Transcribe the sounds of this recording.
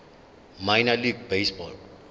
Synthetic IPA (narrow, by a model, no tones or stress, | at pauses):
majnaliɡ̚besbɔl